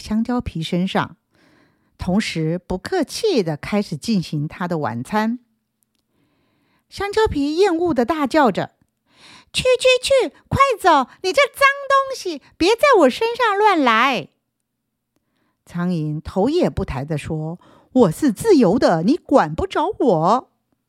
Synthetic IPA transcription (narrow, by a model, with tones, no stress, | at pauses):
ɕjɑ˥ŋt͡ɕjɑ˥ʊpʰi˧˥ʂə˥nʂɑ̰˥˩ŋ | t̪ʰʊ˧˥ŋʂɻ̩˧˥pu˧˥kʰɤ˥˧t͡ɕʰjɛ˥˩d̪ə˩kʰa˥ɪʂɻ̩˨˩t͡ɕi˥˩nɕi˧˥ŋt̪ʰa˥d̪ə˨wa̰˨˩nt͡sʰa˥n | ɕjɑ˥ŋt͡ɕjɑ˥ʊpʰi˧˥jɛ˥˧nu˥˩d̪ə˩t̪a˥˧t͡ɕjɑ˥˩ʊʈ͡ʂə̰˩ | t͡ɕʰy˥˧t͡ɕʰy˥˧t͡ɕʰy˥˩kʰwa˥˩ɪt͡so˨˩ʊni˨˩ʈ͡ʂə˥˩t͡sɑ˥ŋt̪ʊ˥ŋɕi˨˩pjɛ˧˥t͡sa˥˩ɪwɔ˨˩ʂə˥nʂɑ˥˧ŋlwa˥˩nla˧˥ɪ | t͡sʰɑ˧˥ŋi˧˥ŋt̪ʰo˧˥ʊjɛ˨˩pu˥˩t̪ʰa˧˥ɪd̪ə˧ʂwɔ˥ | wɔ˨˩ʂɻ̩˥˧t͡sɹ̩˥˩jo˧˥ʊd̪ə˧ni˧˥kwa˨˩npu˥˩ʈ͡ʂɑ˧˥ʊwɔ˨˩˦